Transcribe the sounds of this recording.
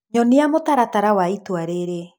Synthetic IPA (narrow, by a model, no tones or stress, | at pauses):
ɲɔneamotaɾataɾawaitwaɾeɾe